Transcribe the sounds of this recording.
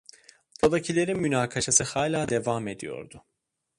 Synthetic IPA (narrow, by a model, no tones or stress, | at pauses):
d̪od̪acʰilʲe̞ɾinmynaːkʰaʃasɯhaːlʲaːd̪e̞vame̞d̪ijo̞̰ɾd̪ʊ